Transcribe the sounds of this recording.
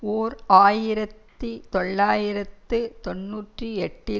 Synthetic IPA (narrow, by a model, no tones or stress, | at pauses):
oːɾaːjɪɾɐt̪ːit̪ɔɭːaːjɪɾɐt̪ːɯt̪ɔnːuːʈriɛʈːɪ